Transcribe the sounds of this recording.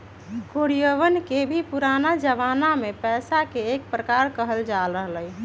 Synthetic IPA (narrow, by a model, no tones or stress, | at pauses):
koɽijəʋənkebʱipuɾanad͡ʒəʋanamepɛːsakeːk̚pɾəkaɾkəɦəld͡ʒaləɦləj